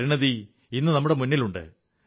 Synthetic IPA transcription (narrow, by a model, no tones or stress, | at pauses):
ɾiɳɐði | inːɨnɐmːuɽe̞munːiluɳɖɨ̰